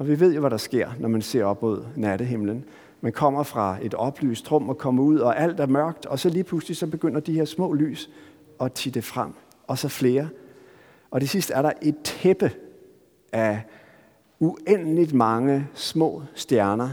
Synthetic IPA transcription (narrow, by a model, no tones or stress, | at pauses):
ɒ̽ʋiʋe̝ð̰ˠjo̝ʋæɾɑ̈sɡ̥e̝ɐ̰nɒmænse̝ɐ̰ɒ̽b̥mo̝ð̞̰ˠnæɾəɦe̝mlən | mænkʰɒ̽m̰ɐfʁɑ̈e̝d̥ɒ̽b̥ly̰ːsd̥ʁɔ̽m̰ɒ̽kʰɒ̽məuð̰ˠɒ̽ʔæl̰d̥æɐmɶɐ̰ɡ̥d̥ɒ̽sɒ̽liːpʰluslisɒ̽b̥e̝ɡ̥øn̰ɐd̥ihe̝ɐsmɔ̰ːly̰ːs | ɒ̽t͡sʰiːd̥efʁam̰ | ɒ̽sɒ̽fle̝ːɐ | ɒ̽d̥ʰe̝sisd̥əæɐɾɑ̈ʔe̝d̥̚heb̥ə | æ | uen̰əlid̥mɑ̈ŋəsmɔ̰̽ːsd̥jæɐnɐ